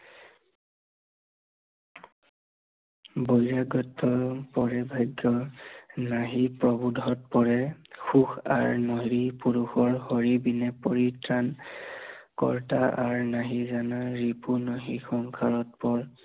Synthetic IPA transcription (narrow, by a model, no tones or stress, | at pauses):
bojɹaɡɔtʰːɔpɔɹɛbʱajɡːɔ | naɦipɹɔbudʱɔt̚pɔɹɛxuxa̰ɹnɔɦɹipuɹuxɔɹhoɹibinɛpoɹitɹan | kɔ̰ɹtaʔaɹnaɦizanaɹipunɔɦixɔŋkʰaɹɔt̚pɔɹ